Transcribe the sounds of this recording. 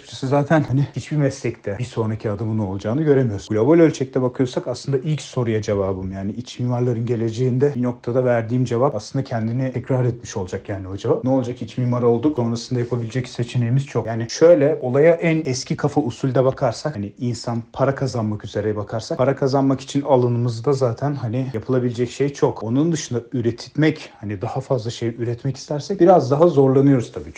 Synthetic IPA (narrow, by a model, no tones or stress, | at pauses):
t̪ʰsizaːt̪ʰænhanɪhit͡ʃbimɛslʲɛct̪ʰɛbiso̞nɾacʰiad̪ɯmɯno̞lˠd͡ʒaːnɯɟø̞ɾemijo̞ɾsɡulʲobo̞lʲølʲt͡ʃʰɛc̚t̪ʰɛbakʰɯjo̞ɾsakaslˠɯnd̪aʔicso̞ɾujad͡ʒe̞vaːbɯmjaːniit͡ʃmimaɾlˠaɾɯnɟe̞lʲe̞d͡ʒe̞jind̪ɛbino̞k̚t̪ʰad̪avæɾd̪iːmd͡ʒe̞vapaslˠɯnd̪acʰɛnd̪init̪ʰɛcɾaɾɛt̪̚miʃo̞lˠd͡ʒakjaːniad͡ʒevapnɛo̞lˠd͡ʒakhit͡ʃmimaɾo̞lˠd̪ukso̞nɾasɯnd̪ajapʰabilʲed͡ʒɛcse̞t͡ʃʰinejimiz̥t͡ʃʰokjaːniʃø̞jlʲɛo̞lˠajaʔænɛscʰikʰafausulʲd̪ɛbakʰaɾsakaniinsanpʰaɾakʰazanmakyze̞ɾɛjɛbakʰaɾsakpʰaɾakʰazanmaki̥t͡ʃʰinalˠɯnɯmɯzd̪azaːt̪ʰænɦanijapʰɯlˠabilʲed͡ʒɛcʃejt͡ʃʰoko̞nund̪ɯʃɯnd̪ayɾet̪ʰit̪mɛchanid̪ahafazlˠaʃe̞jyɾɛt̪mɛci̥st̪ʰæɾsɛc̚biɾazd̪aɦazo̞ɾlˠanɯjo̞ɾuz̥t̪ʰabiːt͡ʃʰ